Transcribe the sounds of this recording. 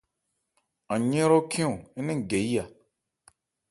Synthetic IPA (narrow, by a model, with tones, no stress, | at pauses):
ã˨ɲẽ˦ɾo˦kʰĩ˦ũ˨i˦nĩ˦ŋ˨ɡe˨i˦ja˨